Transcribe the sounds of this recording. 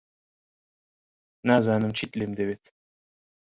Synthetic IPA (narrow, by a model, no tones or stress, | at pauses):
naːzaːnɨmt͡ʃʰit̪lʲemd̪eβet̪